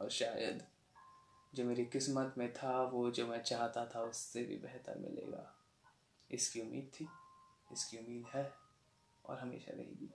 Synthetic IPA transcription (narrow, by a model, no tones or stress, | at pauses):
ɔːɾʃaːjə̰d̪ | d͡ʒoːmeːɾikɪsmət̪mẽt̪ʰaʋod͡ʒoːmɛ̃t͡ʃaːɦt̪at̪ʰaʊsːebʱḭbɛɦt̪ə̰ɾmɪ̰lḛːɡa̰ː | ɪskiʊmːiːd̪̚t̪ʰi | ɪskiʊmːiːd̪ɦɛ | ɔ̰ːɾɦɐmḛːʃa̰ɾɐ̰ɦḭːɡiː